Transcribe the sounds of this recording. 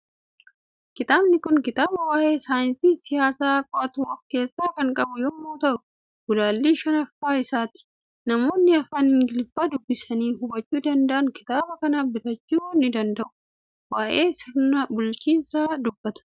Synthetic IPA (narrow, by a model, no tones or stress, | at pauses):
kɪt̪aːbnɪkʊŋkɪt̪aːbɐwaːʔe̞ːsaːjɪnsiːsɪjaːsaːkʼɔʔɐt̪ʊwɐfke̞ːsːaːkɐŋkʼɐbʊjɔmːoːt̪ɐʔʊ | ɡ̥ʊlaːlːiːʃɐnɐfːaːɪsaːt̪ɪ̥ | nɐmo̞ːnːɪɐfɐnɪŋɡɪlfaːd̪ʊbːɪsɐniːɦʊbɐt͡ʃːuːd̪ɐnd̪ɐʔɐnkɪt̪aːbɐkɐnabɪt̪ɐt͡ʃːuːnɪd̪ɐnd̪ɐʔʊ̥ | waːʔe̞ːsɪɾnɐbʊlt͡ʃiːnsaːd̪ʊbːɐt̪ɐ̥